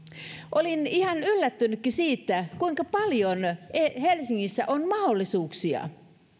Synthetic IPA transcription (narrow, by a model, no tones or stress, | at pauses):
ʔolinihɑnylːæt̪ːynykːisiːt̪ːækuiŋkɑpɑljonehelsiŋːisːæʔonmɑholːisuːksiɑ̰